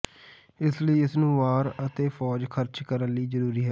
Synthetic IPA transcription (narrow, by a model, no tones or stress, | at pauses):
ɪsləiːɪsnũːʋaːɾət̪eːfʰɔːd͡ʒkʰəɾt͡ʃkəɾənliːzəɾuːɾiːɦɛː